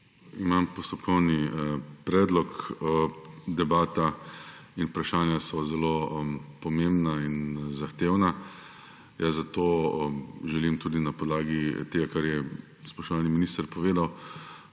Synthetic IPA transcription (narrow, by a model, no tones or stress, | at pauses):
imampɔst̪ɔpkʰɔwnipɾɛːd̪lɔk | d̪ɛbaːt̪a | inupɾaʃaːnjasɔzɛlopɔmembnainzaxt̪eːwna | jazat̪o | ʒɛlimt̪uːd̪inapɔd̪laːɡit̪eːɡakaɾjɛ | spɔʃt̪ɔʋaːlniminist̪əɾpɔʋeːd̪aw